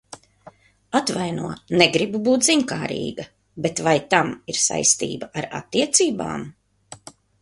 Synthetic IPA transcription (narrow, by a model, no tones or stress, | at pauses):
at̪vajnuɔnɛɡɾibubuːt̪ziŋkaːɾḭːɡɐ | bet̪vajt̪amiɾsa̰jst̪ḭːbaaɾa̰t̪ːiɛt̪siːba̰ːm